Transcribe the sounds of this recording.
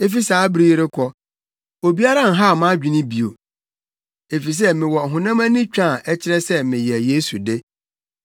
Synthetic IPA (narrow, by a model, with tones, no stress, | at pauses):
e˦fi˦saː˨˦bɾiː˦ɾɪ˦kʰɔ˦ | o˨bi˦a˦ɾã˦˨n̩˨ɦa˦˨mã˦d͡ʑᶣi˨nɪ̃˦bi˨o˨ | e˨fi˨s̬ɛ˦mɪ̃˨wɔ˨ɦʊ̃˨nã˦mã˦nɪ̃˦t͡ɕᶣã˦˨ʔɛ˦t͡ɕʰɪ˦ɾɛ˦sɛ˦mɪ̃˨jɛ˨je˦su˨de˦